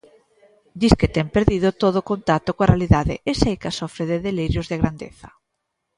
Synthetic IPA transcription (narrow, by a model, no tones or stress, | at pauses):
d̪iskɪt̪ɛŋpeɾðiðʊt̪oðʊkont̪at̪okoarealiðaðɪ̰esejkasɔfɾeðeðeliɾjʊzðeɣɾand̪ḛθɐ